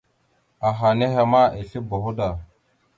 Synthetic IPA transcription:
a˨ɦa˨ne˦ɦa˨ma˦e˨ɬe˦bo˨xu˦da˨

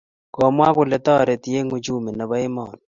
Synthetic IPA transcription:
kɔ˨mwa˦kʊ˨le˨tɔ˦˨ɾe˨ti˨˦e˦ŋu˦d͡ʒu˦˨me˨na˨βa˦i˦mɔ˨n

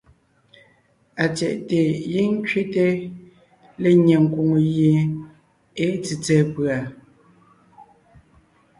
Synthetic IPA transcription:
a˨t͡sjɛ˨ʔte˨ji˦ŋ̩˦kɥe˦te˦ | le˨ɲɛ˨ŋ̩˨ku˨ŋo˨jje˨ | e˦t͡si˨t͡sɛː˦˨pɰa˨

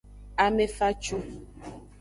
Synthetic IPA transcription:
a˨me˦fa˦t͡ʃu˦

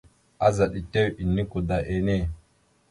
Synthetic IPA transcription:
ʔa˦za˨ɗi˨te˦wi˨nːi˦ku˨da˨ʔe˨ne˦˨

